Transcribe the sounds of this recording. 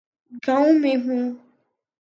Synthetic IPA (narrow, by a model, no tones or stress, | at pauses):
ɡãũmẽɦũ